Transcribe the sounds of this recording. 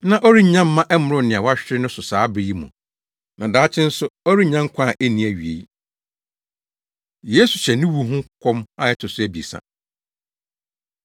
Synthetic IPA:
nã˦˨ʔɔ˦ɾi˦ɲã˦m̩ː˦ã˦ʔɛ˦mʊ̃˨ɾʊ˦nɪ̃˨a˨wa˦ɕᶣɪ˦ɾɪ˦nʊ̃˦sʊ˨saː˨˦bɾi˦i˦mṵ̃˨ | nã˨daː˨˦t͡ɕʰɪ̃˦n̩˦sʊ˦ɔ˦ɾi˦ɲã˦ŋ˦kʷʰã˦˨ʔe˦nĩ˨æ˨ɥi˨ḛ˨i˦ | je˦su˨ɕɛ˨nɪ̃˦wu˦ɦʊ̃˦kʰɔ̃˦ma˦jɛ˦tʰʊ˨sʊ˦æ˨bi˨e˨sã̰˨

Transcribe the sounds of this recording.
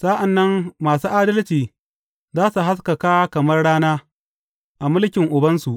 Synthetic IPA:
sa˦ʔa˨nːɐ˦mːaː˨suː˦ʔaː˦dɐ˦lt͡ʃiː˨ | zaː˦su˨ɦa˦s̬kɐ˨kaː˦kɐ˨mɐ˦rɽaː˦naː˦ | ʔa˨mʊ˦lkʲɪ˨ŋʔʊ˨bɐ˦nsu˨ʔ

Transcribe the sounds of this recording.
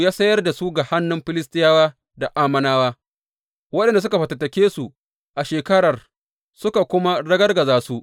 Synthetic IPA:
jaː˦sɐ˦jɐ˦rda˨su˦ɡa˨ha˦nːʊ˦mɸɪ˦lɪ˦stɪ˦jaː˦waː˦ | da˨ʔaː˦mɐ˦naː˦waː˦ | wɐ˦ɗɛ˨nda˨s̬ʊ˦ka˨ɸɐ˨tɐ˨tɐ˨kʲeː˦su˨ | ʔa˨ʃeː˨kɐ˦ɽɐ˨r | sʊ˦ka˨kʷʊ˦ma˦ɽɐ˦ɡɐ˦rɡɐ˨zaː˦su˦ʔ

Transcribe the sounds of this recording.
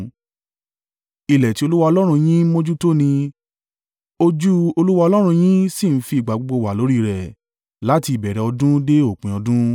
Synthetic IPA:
i˨lɛ˨ti˨˦o˧lu˦wa˧ɔ˧lɔ˦ɾ̃ũ˧j̃ĩ˦mõ˦d͡ʒu˦to˦nĩ˧ | o˧d͡ʒu˦o˧lu˦wa˧ɔ˧lɔ˦ɾ̃ũ˧j̃ĩ˦si˦˨n̩˦fi˧i˨ɡ͡ba˨ɡ͡bo˧ɡ͡bo˧˨wa˨lo˨˦ɾi˦˨ɾɛ˨ | la˦ti˧i˨bɛ˨ɾɛ˨ɔ˧dũ˦de˦o˦˨k͡pĩ˨ɔ˧dũ˦

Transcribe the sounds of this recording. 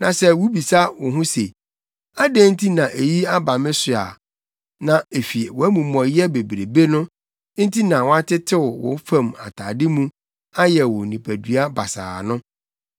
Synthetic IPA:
nã˨sɛ˦wu˦bi˨sa˦wʊ˨ɦʊ̃˦se˨ | a˦de˦n̩˦tʰi˦nã˨ʔe˨ji˦a˦ba˨mɪ̃˦sʊ˨a̰˨ | nã˨e˨fi˨e˨wɔ˨æ˦mũ˨mɔ̃˨jɛ˦be˨bɾe˨be˦nʊ̃˦ | n̩˦tʰi˦nã˨wɔ˦a˦tʰɪ˦tʰɪ˦wʊ˨wʊ̰̃˨˦fã˦˨ma̰˨tʰaː˨dɪ˦mũ˦ | a˦jɛ˨wʊ˨nĩ˨pʰæ˨dɥa˦ba˨sa̰ː˨nʊ̃˦

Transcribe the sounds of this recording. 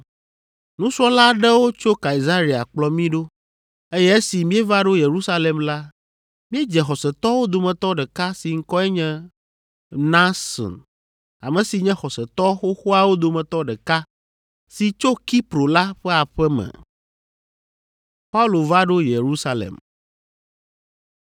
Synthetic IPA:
nũ˦sɔ˦la˦ɖɛ˦wo˦t͡ʃo˦ka˨i˨za˦ɾi˨a̰˨k͡plɔ˦mĩ˦ɖo˦ | e˦jɛ˦e˦si˨mĩ˦ɛ˦va˦ɖo˦je˨ɾu˦sa˦lɛ˨mla˦ | mĩ˦ɛ˦d͡ʒɛ˨xɔ˨sɛ˨t̪ɔ˦wo˦d̪o˨mɛ̃˨t̪ɔ˦ɖɛ˨ka˦si˨ŋ̩˦kɔ˦ɛ˦ɲɛ̃˦ | nã˦sɔ̰̃˨n | a̰˨mɛ̃˨si˨ɲɛ̃˦xɔ˨sɛ˨t̪ɔ˦xo˦xo˦a˨wo˦d̪o˨mɛ̃˨t̪ɔ˦ɖɛ˨ka˦ | si˨t͡ʃo˦ki˦pɾo˨la˦ɸɛ˦a˨ɸɛ˦mɛ̰˨ | pa˦u˦lo˨va˦ɖo˦je˨ɾu˦sa˦lḛ˨m

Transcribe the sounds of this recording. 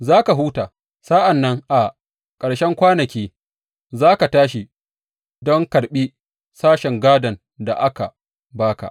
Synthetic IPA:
zaː˦ka˨ɦuː˦taː˨ | saː˦ʔa˨nːɐ˦ŋʔa˨ | kʼɐ˨ɽʃɛ˦ŋkʷaː˦nɐ˨kʲiː˦ | zaː˦ka˨taː˦ʃi˨ | dɔ˦ŋkɐ˨ɽɓi˦ | saː˦ʃɛ˨ŋɡaː˦dɐ˨n | da̰˨ʔa˦ka̰˨ | baː˦ka̰˨ʔ

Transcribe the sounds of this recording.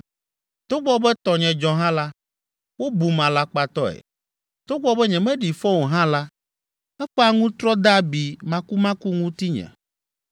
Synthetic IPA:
t̪o˦ɡ͡bɔ˦bɛ˦t̪ɔ˨ɲɛ̃˨d͡ʒɔ̃˨ɦã˦la˦ | wo˦bu˨mã˨la˦k͡pa˨t̪ɔ˦ɛ̰˨ | t̪o˦ɡ͡bɔ˦bɛ˦ɲɛ̃˨mɛ̃˦ɖi˨fɔ˦wo˨ɦã˦la˦ | ɛ˦ɸɛ˦a˦ŋũ˦t̪ɾɔ˦d̪a˦bi˨mã˦ku˦mã˦ku˦ŋũ˦t̪i˦ɲɛ̰̃˨

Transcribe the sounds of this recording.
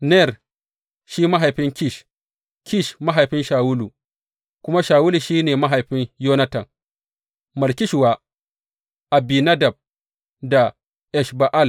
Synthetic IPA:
nɛ˦˨r | ʃiː˦ma˦ɦa˨jɸɪ˦ŋkʲi˦˨ʃ | kʲi˦˨ʃma˦ɦa˨jɸɪ˦nʃaː˨wʊ˦lu˨ | kʷʊ˦ma˦ʃaː˨wʊ˦lu˨ʃiː˦neː˨ma˦ɦa˨jɸɪ˦njoː˦na˦tɐ˨ŋ | mɐ˨rkʲɪ˦ʃwaː˦ | ʔa˨biː˨na˦da˨b̚ | da˨ | ʔɛ˨ʃba˨ʔa˦˨l

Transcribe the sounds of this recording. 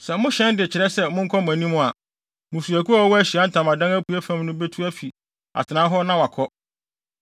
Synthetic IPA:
sɛ˨mʊ̃˦ɕɛ̃˦ndɪ˨t͡ɕʰɪ˨ɾɛ˦sɛ˦mʊ̃˦ŋ̩˦kʰɔ˦m˨æ̃˨nĩ˦mʊ̃˦˨a˨ | mʊ̃˨su˨æ˨ku˦a˦ɔ˦wɔ˦æ˦ɕi˨a˨˦n̩˦tʰã˨mã˨dã˦ŋæ˦pu˨˦æ˦fæ̃˦˨mnʊ̃˦be˦tʰu˦æ˦fi˨ | a̰˨tʰɪ˨nã˦ɦɔ˦nã˦wa˨kʰɔ˦

